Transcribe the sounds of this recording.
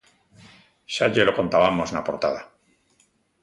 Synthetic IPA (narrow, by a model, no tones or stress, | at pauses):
ʃaʎelo̞ko̞nt̪aβamo̞snapo̞ɾt̪aða